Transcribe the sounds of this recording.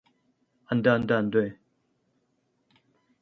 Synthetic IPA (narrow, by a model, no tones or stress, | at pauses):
and̪aand̪and̪we